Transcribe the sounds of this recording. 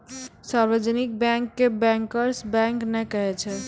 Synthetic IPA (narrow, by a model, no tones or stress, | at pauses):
saɾbəd͡ʒənik̚bjɛ̃ŋkːebɛ̃ŋkəɾsbɛ̃ŋknɛkəɦɛt͡ʃʰɛ